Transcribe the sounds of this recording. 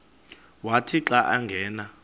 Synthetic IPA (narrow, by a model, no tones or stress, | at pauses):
watʰiǁaʔaŋɡʱɛːna